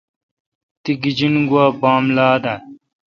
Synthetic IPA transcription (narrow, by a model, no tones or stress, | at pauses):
t̪iɡid͡ʑinɡuaːbaːmlaːd̪ɐ